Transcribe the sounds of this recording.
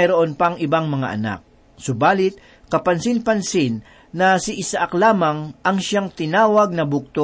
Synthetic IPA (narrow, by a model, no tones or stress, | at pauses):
ɐjɾoʔonpɐŋʔɪbaŋmɐŋa̰ʔɐ̰na̰k̚ | sʊbaːlɪt̪̚ | kɐpɐnsɪnpɐnsɪnː | ɐsɪʔɪsaʔaklaːmaŋʔɐŋʃaŋt̪ɪnaːwɐɡ̚nɐbʊk̚t̪o